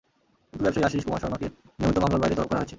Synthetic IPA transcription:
kinubɛbʃaɾiaʃiiʃkoma̰ʃɔɾmake | niomit̪omamlabajɾet̪ɔlob̚pkɔɾaɦoet͡ɕʰe

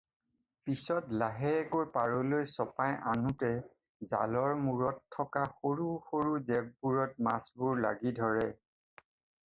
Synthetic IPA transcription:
pisɔtlaɦɛɡoɹpaɹɔlojsɔpajʔa̰nutɛ | za̰lɔɹmuɹɔtʰːɔkaxoɹuxoɹuzɛb̚buɹɔt̚masbʊɹla̰ɡidʱɔɹɛ

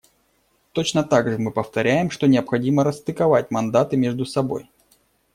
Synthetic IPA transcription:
t̪o̞t͡ɕnət̪aɡʐɨmɨpəft̪ɐɾʲæjɪmʂt̪o̞nʲɪəpxɐdʲiməɾəst̪ɨkɐvat̚ʲmɐnd̪at̪ɨmʲeʐd̪ʊsɐbo̞̰j

